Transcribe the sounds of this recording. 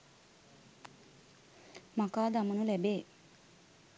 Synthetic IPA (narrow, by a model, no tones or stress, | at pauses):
mɐkaːd̪ɐmɐnulɛbe